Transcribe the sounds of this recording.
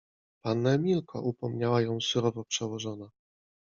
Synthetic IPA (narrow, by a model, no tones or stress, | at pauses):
panːamʲilkʰɔ̰ʔupɔmɲawajɔ̃w̃suɾɔvɔpʂɛwɔʐɔna